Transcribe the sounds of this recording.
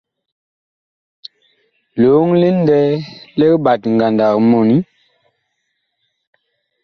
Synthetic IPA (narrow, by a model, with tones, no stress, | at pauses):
lo˨˦ŋli˦n̩˦dɛ˦lɛ˦ɓa˨tŋ˨ɡa˨nda˨kmɔ˨ni˦